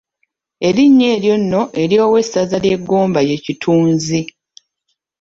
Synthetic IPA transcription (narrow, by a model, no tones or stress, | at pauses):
e̞ɾiɲːe̞ːɾjo̞nːo̞ʔe̞ɾjo̞ːwe̞sazalje̞ɡːoːmbaje̞citʰuːnzi